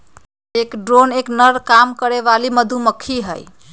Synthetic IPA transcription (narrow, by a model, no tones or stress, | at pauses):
ekɖɾoneknəɾkamkəɾeʋaliməd̪ʱuməkʰːiɦəj